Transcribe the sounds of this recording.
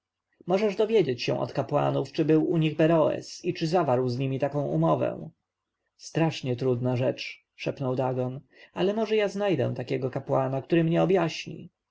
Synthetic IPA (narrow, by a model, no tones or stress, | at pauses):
mɔʐɛʐd̪ɔvʲjed͡ʑet͡ɕɕɛ̰̃ʔɔ̰t̪kapwa̰nuft͡ʂɘbɘwuɲiɣbɛɾɔɛ̰sit͡ʂɘzavaɾwzɲimʲit̪akɔ̃w̃ṵmɔvɛ̰̃w̃ | st̪ɾaʂɲɛt̪ɾud̪naʐɛt͡ʂ | ʂɛpnɔwd̪aɡɔn | alɛmɔʐɛjaznajd̪ɛ̰w̃t̪akʲɛɡɔkapwanakt̪uɾɘmɲɛɔbjaɕɲḭ